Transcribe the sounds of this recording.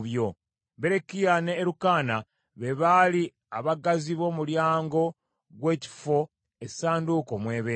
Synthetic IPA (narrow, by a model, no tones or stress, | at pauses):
βjo̞ | be̞ɾekijane̞ːɾukaːna | βe̞βali | aβaɡaziβo̞ːmuljaːŋɡo̞ | ɡwe̞ːci̥fo̞ | esaːnduko̞mwe̞ːβe